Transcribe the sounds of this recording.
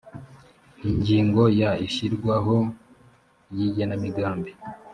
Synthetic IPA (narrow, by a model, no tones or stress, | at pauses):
iɲɟiːŋɡo̞jaiʃiɾɡwaɦo | jiɟanamiɡaːmbi